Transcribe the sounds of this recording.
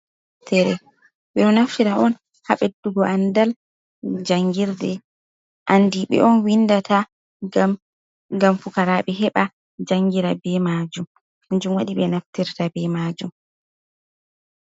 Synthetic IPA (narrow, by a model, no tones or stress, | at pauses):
tʰɛɾɛ | ɓɛɔnaftiɾaɔn | haɓɛduɡɔʔandal | d͡ʒaŋɡiɾdɛ | ʔandiɓɛ̰ʔɔnwindata | ɡamfukaɾaɓɛɦɛɓa | d͡ʒaŋɡiɾabɛmad͡ʒum | huɲd͡ʒumwaɗiɓɛnaftiɾtabɛmad͡ʒum